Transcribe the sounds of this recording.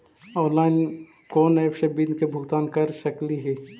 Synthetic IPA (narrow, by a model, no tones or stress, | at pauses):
ɔ̃ːnlaːɪn | koːneːpʃebinkebʱʊɡt̪aːnkɐɾʃəkliɦɛː